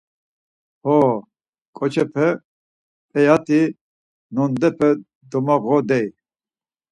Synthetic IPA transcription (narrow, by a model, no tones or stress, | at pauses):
hɔ | kʼɔt͡ʃʰɛpʰɛ | pʼɛjat̪ʰʼi | nɔnd̪ɛpʰɛ | d̪ɔmaɣɔd̪ɛj